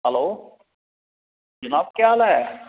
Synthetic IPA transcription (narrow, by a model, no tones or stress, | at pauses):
ɦəloː | d͡ʒɐnaːb̚kjaːlaɛ